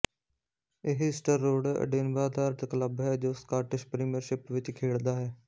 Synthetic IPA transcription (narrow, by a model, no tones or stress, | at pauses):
ɪɦɪsʈəɾːoːɽə̰ɖeːnʋaːd̪aːɾt̪əkləbɦɛːd͡ʒoːskaːʈɪʃpɾiːmijəɾʃɪpʋɪt͡ʃkʰeːɭd̪aːɦɛː